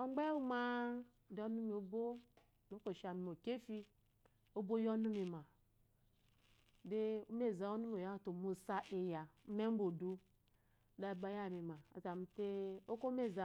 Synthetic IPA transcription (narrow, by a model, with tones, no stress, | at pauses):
o˦ŋ͡mɡ͡be˦wu˦ma˦˨ | de˨˦o˦nu˦mi˨o˨bo˦ | do˦ko˨ʃa˨mi˨mo˨ke˦fi˦ | o˦bo˦jo˦nu˦mi˨ma˨ | de˦o˦me˦˨za˨o˦nu˦m˦o˨ja˦˨to˨mu˨sa˦ʔe˨ja˨˦me˦m˦bo˨du˦ | da˦˨ba˨˦ja˦˨mi˨ma˨a̰˨za˨m̩˨˦te˦o˦ko˦me˦˨za˨